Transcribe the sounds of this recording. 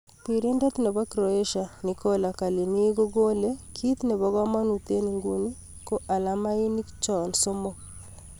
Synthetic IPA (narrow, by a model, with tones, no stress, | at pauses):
pi˨ɾe˦ndɛ˦t̪nɛ˨ba˦kɾo˨e˦ʃa˨ni˨ko˦la˨ka˨li˨ni˦ɡo˦ɡo˦le˦kʰi˦t̪nɛ˨βɔ˦ɡa˦ma˦nu˨t̪e˦ni˨ŋɡu˦ni˦ | ko˦ʔa˨la˦ma˦i˦ni˦kt͡ʃɔ˨nso˦mo˦